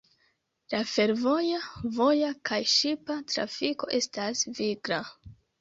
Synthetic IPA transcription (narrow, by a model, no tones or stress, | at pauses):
lafe̞ɾvo̞javo̞jakajʃipatɾa̰fiko̞̰ʔe̞stasviɡɾa